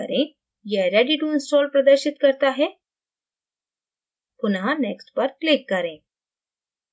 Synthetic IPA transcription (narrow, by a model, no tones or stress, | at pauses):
ə̰ɾẽ | jɛɦɾjaɖiʈuinsʈɔlpɾəd̪əɾɕit̪kəɾt̪aɦɛ | punɦãneksʈpəɾklikːəɾẽ